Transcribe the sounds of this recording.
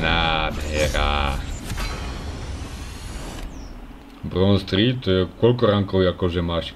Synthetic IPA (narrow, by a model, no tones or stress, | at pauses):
naːd̪ɦɛɾa | bɾɔnst̪ɾit̪ːɔjɛkɔlkɔɾaŋkɔwjakɔʒɛmaːʃ